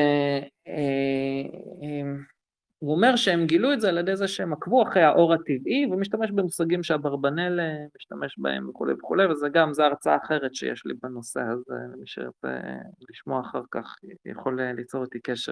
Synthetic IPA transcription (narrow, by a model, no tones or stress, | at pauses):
e | e | uomeʁʃeemɡiluetzealjed̪ejzeʃeemakvuaχʁejhaʔo̞ʁat̪ivivemiʃt̪ameʃbemusaɡimʃeabaʁbane̞lemiʃt̪ameʃba̰ḛmveχulejveχulejvezeɡamzeaʁt͡sa̰ːχe̞ʁetʃejeʃlḭbano̞sḛhazḛlemiʃḛʁat͡sḛliʃmo̞aːχaʁkaχja̰χo̞lelit͡so̞ʁet̪ikeʃḛ